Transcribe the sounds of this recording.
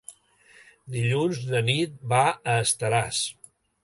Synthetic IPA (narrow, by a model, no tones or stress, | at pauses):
d̪iʎunzðənit̪̚baəːst̪əɾas